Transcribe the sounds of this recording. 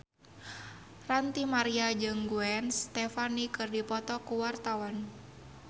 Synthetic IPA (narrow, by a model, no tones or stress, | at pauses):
rant̪imaɾiad͡ʒɨŋɡuɛnst̪ɛfanikɨrdipɔt̪ɔkuwart̪awan